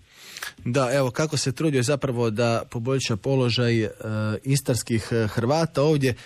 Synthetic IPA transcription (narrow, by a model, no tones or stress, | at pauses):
d̪ae̞ʋo̞kako̞se̞t̪ɾuːd̪ijozapɾaʋo̞d̪apo̞bo̞ʎʲʃapo̞lo̞ʒaj | ist̪aɾskixxɾʋaːt̪ao̞ːʋd̪je̞